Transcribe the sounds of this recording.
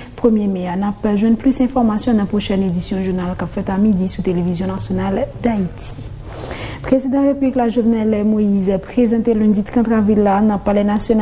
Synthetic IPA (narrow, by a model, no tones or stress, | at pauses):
pχəmjemeanapʒwɛ̃d̪plysɛ̃fɔʁmasjɔ̃nãpχoʃɛned̪isjɔ̃ʒuʁnalkapfɛt̪amid̪isut̪elevizjɔ̃nasjonald̪ait̪ʰi̥ | pχezid̪ɑ̃ʁepybliklaʒovnɛlɛmoizɛpχezɑ̃t̪elɛ̃d̪it̪kãt̪χavilːanɑ̃palɛnasjon